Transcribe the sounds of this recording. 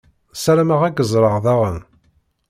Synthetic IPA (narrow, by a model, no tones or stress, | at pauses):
sæɾæməʁæɡəzˤɾˤəʁðɑʁən